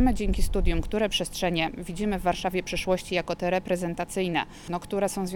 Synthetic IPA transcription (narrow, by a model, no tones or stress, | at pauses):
mɘd͡ʑeŋkʲist̪ud̪ʲjumkt̪uɾɛpʂɛstʂɛɲɛvʲid͡ʑimɘvːaɾʂavʲjɛpʂɘʂwɔɕt͡ɕijakɔt̪ɛɾɛpɾɛzɛnt̪at̪sɘjnɛ̰ | nɔkt̪uɾɛsɔ̃w̃zvʲj